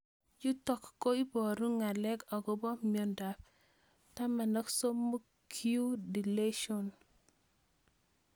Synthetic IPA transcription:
d͡ʒu˦tɔ˨kːo˦i˦bɔ˨ɾu˦ŋa˨lɛ˦kɔ˨ɡo˦bɔ˦mio˦nda˨p | ta˦ma˨nɔ˦kso˦mːo˦ | kʰi˦u˦di˨le˦ʃo˨n

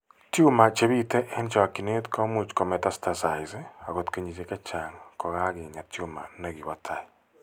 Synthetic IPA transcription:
tjuma˨t͡ʃe˦βite˦ʔe˦nt͡ʃoa˨ki˨ne˦tko˦mu˦t͡ʃi̥ko˨me˨ta˦stasa˨izea˨ɣo˨tke˨ɲit͡ʃeka˦t͡ʃaŋako˨ɣa˦ɣeɲa˨tjuma̰˨neɣiβatʰai

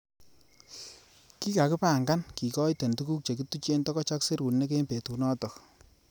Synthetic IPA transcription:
ki˦ka˨kɪ˦pa˦˨ŋɡa˦nki˨kɔ˦jte˨ntu˦ku˦k̚t͡ʃe˨k̬i˦tu˦t͡ʃe˦ntɔ˦kɔ˦t͡ʃa˦kse˦ɾu˨nne˦k̬e˦mpe˨tu˨nɔ˦tɔ˨k

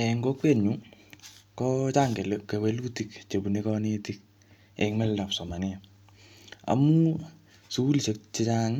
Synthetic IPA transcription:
ɛ˨ŋɡɔ˦kwe˨ɲu˦ | kɔ˦t͡ʃa˦ŋɡe˨leke˨we˦lu˦ti˦kt͡ʃe˨bu˨ne˦kɔ˦ne˦ti˦k̚ | ɛ̰˨ŋmɛ˦lda˨psɔ˨ma˨nɪ˦a˨ | a̰˨mu˦ | su˦u˦lʃe˦k̚t͡ʃi˦t͡ʃa˦ŋ

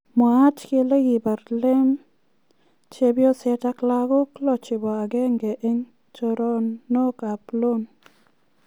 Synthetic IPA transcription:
ma˨a˦t͡ʃke˧le˦ɡi˨ba˨ɾle˦m | t͡ʃe˧bjo˦se˧ta˧kla˧ɡo˦klo˧t͡ʃi˨ba˨a˨ɡe˦ŋɡe˨ʔe˧ŋ | t͡ʃo˧ɾo˦nːo˦ka˨plo˦n

